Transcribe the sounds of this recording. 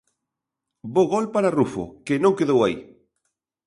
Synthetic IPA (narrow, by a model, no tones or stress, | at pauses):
boɣɔlpaɾarufo̰kenõŋkeðowai